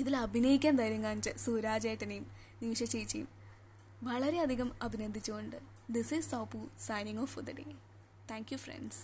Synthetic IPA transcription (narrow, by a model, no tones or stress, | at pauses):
iðilɐbʱinɐjikʲːaːnt̪ɐjɾuŋːaːnt͡ɕɨsuːɾaːd͡ʑɐjʈːɐnejum | niːʂɐt͡ɕːejit͡ɕːḛjum | ʋɐɭɐɾe̞ɐd̪ʱiɣɐmɐbʱinɐnd̪ʱit͡ɕːuɣoɳɖɨ | d̪isistoːpusɐjniŋoːfd̪ɐɖḛː | t̪ʰæːŋkjufrḛnɖs